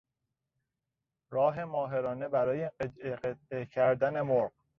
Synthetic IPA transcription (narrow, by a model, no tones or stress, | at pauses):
ɾɒːɦe̞mɒːɦe̞ɾɒːne̞bæɾɒːjeeeqet̪̚ecʰæɾd̪æne̞moɾɢ